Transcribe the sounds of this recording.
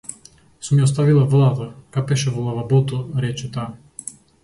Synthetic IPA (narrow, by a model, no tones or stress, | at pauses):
sumɛɔs̬t̪avilˠavlˠat̪akapɛʃɛvəlˠavabot̪ɔɾɛt͡ʃɛt̪a